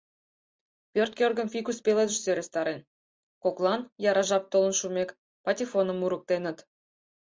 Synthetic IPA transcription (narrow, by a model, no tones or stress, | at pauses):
pʲørt̪̚kʲørɣə̆mfikuspeled̪əʃsøɾʲest̪ɑɾen | koklˠɑnjɑɾɑʒɑp̚t̪olə̆nʃumʲek | pɑtʲifonəmːuɾək̚t̪enə̆t̪